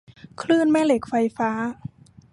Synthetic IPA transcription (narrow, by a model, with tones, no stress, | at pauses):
kʰlɯː˥˩nmɛː˥˩le˨˩k̚fa˧jfaː˦˥